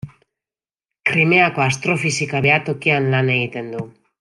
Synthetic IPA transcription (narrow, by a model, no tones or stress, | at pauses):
kɾime̞ako̞ast̪ɾo̞fisikaβe̞at̪o̞kianlane̞ɣit̪e̞nd̪u